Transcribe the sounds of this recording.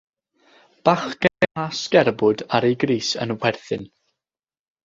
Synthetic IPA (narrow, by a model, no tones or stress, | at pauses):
b̥aχɡ̥ɛɛasɡ̥ɛrbʊdaɾeɡriːsə̰nwɛrθɨn